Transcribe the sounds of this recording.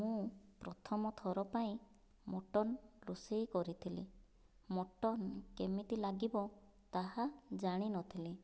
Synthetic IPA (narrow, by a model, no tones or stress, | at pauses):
mũpɾɔt̪ʰɔmɔt̪ʰɔɾɔpaĩ | moʈɔnɾusijkɔɾit̪ʰili | moʈɔnkemit̪ilaɡibɔ | t̪aɦad͡ʒaɽ̃inɔt̪ʰili